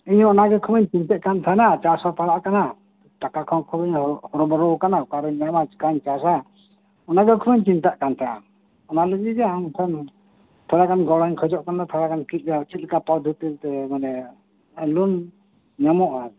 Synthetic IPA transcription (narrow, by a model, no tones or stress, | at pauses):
iɲɔnaɡɛkʰubɛɲt͡ʃint̪ɛʔkant̪ʰanat͡ʃasapaɽaʔkana | t̪akakʰɔkʰubəɲhɔɾɔbɔɾɔkanakaɾɔɲːamat͡ʃkaɲt͡ʃas̬a | ɔnaɡɛkʰubɛɲt͡ʃint̪aʔkant̪ʰaa̰ | ɔnaləɡid͡ʒɛaŋkʰɔn | t̪ʰɔɾakanɡɔɽɔɲkʰɔd͡ʒɔʔkanat̪ʰɔɾakankit̪̚at͡ʃit̪̚lɛkapɔd̪ʱut̪ilt̪ɛmanɛ | lun | ɲamɔʔaɾ